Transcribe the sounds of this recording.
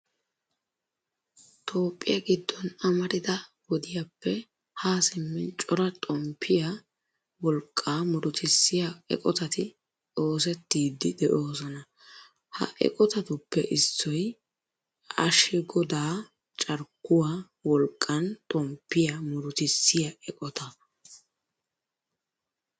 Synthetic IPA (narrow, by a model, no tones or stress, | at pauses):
t̪ʰo̞ːpʼːɪ̰jɐɡɪd̪ːɔnɐmɐɾɪd̪ɐwɔd̪ɪjɐpːɛ | haːsɪmːɛnt͡ʃʼɔɾɐt̪ʼɔmpʰːɪja | wɔlkʼːaːmʊɾʊt̪ɪsːɪjaɛ̰kʼɔt̪ɐt̪ɪ | o̞ːs̬ɛt̪ːiːd̪ːɪd̪ɛʔo̞ːsɔnɐ | hɐ̰ʔɛ̰kʼɔt̪ɐt̪ʊpːɛʔɪsːɔj | ɐʃɪɡɔd̪aː | t͡ʃʼɐɾkːʊwaː | wɔlkʼːɐnt̪ʼɔmpːɪjamʊɾʊt̪ɪsːɪjɐɛkʼɔt̪ɐ